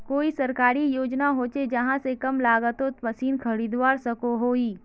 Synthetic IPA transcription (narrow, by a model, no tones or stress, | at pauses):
koːisɐɾkaːɾijoːd͡ʒnaɦoːt͡ʃed͡ʒɐɦãsekɐmlaːɡət̪ot̪pɐsiːnkʰɐɾiːd̪waːɾsɐkoɦoːiː